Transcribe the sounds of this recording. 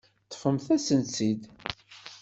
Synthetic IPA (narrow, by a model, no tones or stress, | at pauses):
t̪ˤːə̥fəmθæsənt͡sid̪